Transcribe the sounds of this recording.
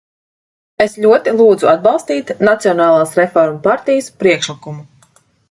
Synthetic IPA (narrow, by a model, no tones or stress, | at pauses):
esʎʲuɔt̪ilˠuːd̪zuad̪̚bɑlˠst̪iːt̪nat̪siɔnaːlˠaːsɾefɔɾmupaɾt̪ijəspɾiɛkʃlikumu